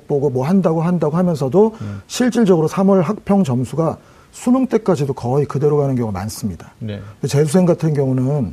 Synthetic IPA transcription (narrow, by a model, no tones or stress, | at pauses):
k̚p͈oɡomwʌɦandaɡoɦandaɡohamjʌnsʰʌdoɕʰiɭt͡ɕ͈iɭd͡ʑʌɡɯɾosʰamʌɭɦak̚pʰjʌŋd͡ʑʌmsʰuɡa | sʰumoŋt͈e̞k͈ad͡ʑidokʌikɯde̞ɾoɡanɯnɡjʌŋuma̰ns͈ɯmɲidanndet͡ɕe̞sʰusʰe̞ŋɡatʰɯnɡjʌŋunɯn